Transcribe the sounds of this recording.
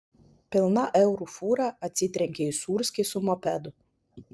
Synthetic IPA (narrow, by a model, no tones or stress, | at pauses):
pʲɪlˠnaʔɛwɾufuɾaɐt̪sʲit̪ɾʲɛŋʲkʲɛisuːɾsʲkʲesumɔpʲɛd̪ʊ